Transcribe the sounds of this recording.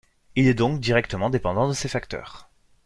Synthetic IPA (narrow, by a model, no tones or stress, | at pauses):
ilɛd̪ɔ̃kd̪iʁɛkt̪əmɑ̃d̪epɑ̃d̪ɑ̃d̪əsefakt̪œ̰ːʁ